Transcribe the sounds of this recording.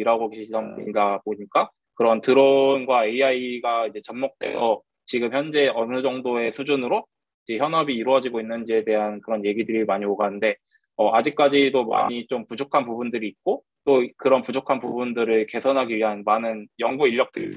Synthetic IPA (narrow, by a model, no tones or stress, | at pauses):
iɾaɡoɡeɕʰid͡ʑʌmḭdaboɲik͈a | kɯɾʌntɯɾonɡwaeaiɡaid͡ʑe̞t͡ɕʌmmok̚t͈e̞̰sʰʌ | t͡ɕiɡɯmçjʌnd͡ʑe̞ʌnɯd͡ʑʌŋdoe̞sʰud͡ʑunɯɾo | id͡ʑe̞çjʌnɦʌbiːɾoʌd͡ʑiɡoinːɯnd͡ʑie̞de̞ɦankɯɾʌnje̞ɡidɯɾimaɲioɡanɯnde̞ | ʌad͡ʑik̚k͈ad͡ʑidoma̰ɲit͡ɕompud͡ʑokʰanpubundɯɾiːt̚k͈o | t͈okɯɾʌnpud͡ʑokʰanpubundɯɾɯɭke̞sʰʌnɦaɡiɥiɦanmanɯnjʌŋɡuiʎːʌk̚t͈ei